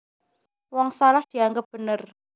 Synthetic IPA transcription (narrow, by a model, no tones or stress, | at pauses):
wɔŋsalahd̪̥i̤aŋɡəp̚b̥ənər